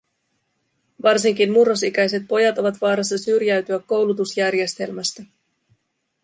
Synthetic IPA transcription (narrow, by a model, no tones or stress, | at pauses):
ʋɑrsiŋk̟inmurːo̞sik̟æjs̬e̞t̪̚po̞jɑt̪o̞ʋɑt̪ʋɑːɾɑs̬ːɑsyrjæɥt̪yækːo̞wlut̪usjærje̞st̪e̞lmæst̪æ